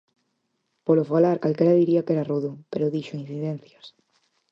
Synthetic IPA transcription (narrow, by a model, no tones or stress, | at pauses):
polofalaɾkalkeɾaðiɾiakeɾaruðupeɾoðiʃoin̟θiðẽn̟θjas